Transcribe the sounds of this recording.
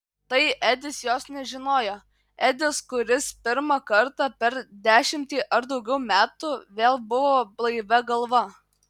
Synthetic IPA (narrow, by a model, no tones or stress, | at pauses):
t̪ɐɪʔæd̪ʲɪsjoːsnʲɛʒʲɪnoːjoː | æd̪ʲɪskʊɾʲɪspʲɪɾmɑkɐɾt̪ɑpʲɛɾd̪ʲæːʃʲɪmʲt̪ʲiːʔɐɾd̪ɒʊɡʲɛʊmʲæːt̪uʋʲeːlˠbʊʋoːblˠɐɪʋʲɛɡɐlˠʋɐ